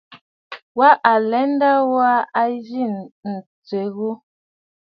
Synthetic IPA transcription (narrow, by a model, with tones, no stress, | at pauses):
wa˦ʔa˨lɛ˨˦n˦da˦wa˦a˦d͡ʒi˦˨nn̩˨t͡se˨ɣu˦